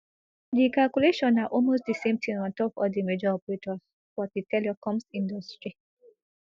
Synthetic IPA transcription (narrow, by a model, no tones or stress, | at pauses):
dikalkuleʃɔ̃naʔɔlmosdisẽmtʰĩnɔ̃ntɔpɔ̰dimed͡ʒɔɔpɹetɔs | wɔt̚ditɛliɔkɔ̃msĩndɔstɹi